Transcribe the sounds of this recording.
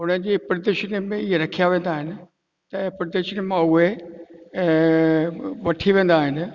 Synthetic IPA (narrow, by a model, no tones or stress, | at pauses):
ɦʊnəɪ̆d͡ʑiːpɾd̪eʃnimẽɪɦeɾɐkʰijaʋẽːn̆d̪aːɦɪnɪ̆ | t̪ɐpɾd̪eʃnimãʊɦe | ʋɐʈʰiʋẽːn̆d̪aːɦɪnɪ̆